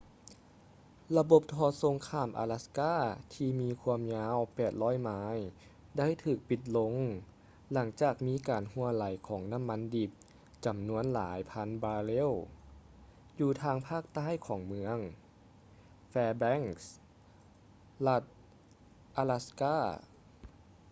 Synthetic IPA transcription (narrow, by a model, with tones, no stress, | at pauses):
la˧bo˨˩p̚t̪ʰɔː˧˩so˨˦ŋkʰaː˧˩˨mʔa̰˧la˧˥skaː˥˩t̪ʰiː˧miː˧kʰuː˧əmɲaː˧˥wpɛː˨˩t̪̚lɔː˧˥˨jmaː˧˥j | da˥˩˨jt̪ʰɯː˧˨˩k̚pi˧˩t̪̬̚lo˧˥ŋ | la˩˦ŋt͡ɕaː˨˩k̚miː˧˥˨kaː˨˩nhu˧ɐla˨˩˦jkʰɔː˩˦ŋna˧˥˨mːa˧˥˨ndi˨˩p̚ | t͡ɕa˨˩mnu˧˥ənla̰ː˩˨˦jpʰa˧˥˨nbaː˧le˥˨w | juː˧˩t̪ʰaː˧ŋpʰaː˥˩k̚t̪aː˥˩˨jkʰɔː˩˦ŋmɯ˧˥əŋ | fɛː˧bɛ˧˥˩ŋs | la˧˩t̪̚ | ʔaː˧la˧skaː˥˩